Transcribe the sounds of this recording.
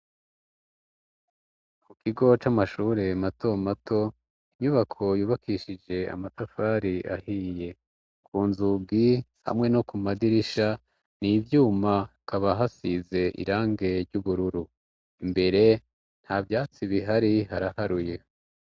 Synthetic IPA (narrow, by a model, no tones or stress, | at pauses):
mukʰiɡo̞t͡ʃamaʃuːɾe̞mato̞mato̞ | iɲuβakʰo̞juːβakʰiʃid͡ʒe̞a̰matafaːɾiʔahiːje̞ | kʰuːnzuɡiha̰mŋe̞no̞kumadiɾiʃa | niːvjuːmakaβaɦasize̞ʔḭɾaːŋɡe̞ɾɟuβuɾuɾu | imbe̞ɾe̞ | n̥haːbjaːt͡siβiɦaɾiɦaɾahaɾuje̞